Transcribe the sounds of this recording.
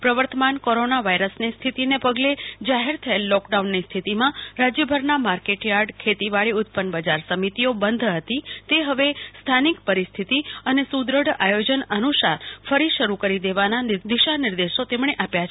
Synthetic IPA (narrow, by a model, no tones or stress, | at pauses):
pɾəʋəɾt̪əmankoɾonaʋaiɾəsnist̪ʰit̪inepəɡled͡ʒaɦeɾt̪ʰəelːɔkɖaunːist̪ʰit̪imãɾad͡ʒjəbʱəɾnamaɾkeʈjaɾɖkʰet̪iʋaɭiʊt̪̚pənbəd͡ʒaɾsəmit̪iobənd̪ʱɦət̪it̪eɦəʋest̪ʰanikpəɾist̪ʰit̪iənesud̪ɾəɽajod͡ʒənənuʃaɾfəɾiʃəɾukəɾid̪eʋanand̪iʃanɪɾd̪eʃot̪emɽ̃eʔapjat͡ʃʰ